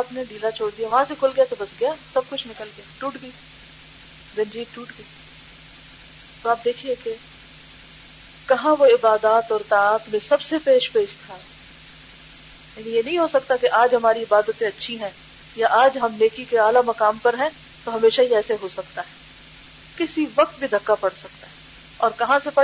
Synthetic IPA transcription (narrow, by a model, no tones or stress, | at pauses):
aːpned̪iːlat͡ʃʰoːɽd̪ijaʋɐɦãsekʰʊlɡɐjat̪obɐsɡɐjaːsɐb̚kʊt͡ʃʰnɪkəlɡɐjaʈuːʈɡi | dɐ̃nd͡ʒiːʈuːʈɡiː | t̪oaːp̚d̪eːkʰieke | kɐɦãʋoɪbaːd̪aːt̪ɔːɾt̪aaːt̪mẽsɐbsepeːʃpeːʃt̪ʰa | jaːnijenɐɦĩɦosɐkt̪akeʔaːd͡ʒɦɐmaːɾiɪbaːd̪ət̪ẽɐtːʃʰiɦɛ̃ | jaʔaːd͡ʒɦɐmneːkikeaːlamɐkaːmpɐɾɦɛ̃ | t̪oɦɐmeːʃaɦiɛːseɦosɐkt̪aɦɛ | kɪsiʋɐq̚t̪bʱid̪ʱɐkːapɐɽsɐk̚t̪aɦɛ | ɔːɾkɐɦãsepɐɽ